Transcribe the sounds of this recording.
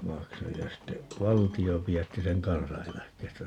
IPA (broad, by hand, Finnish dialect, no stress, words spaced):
mɑksoj jɑ ste ʋɑltio piætːi seŋ kɑnsɑ̃ːelækːeːstæ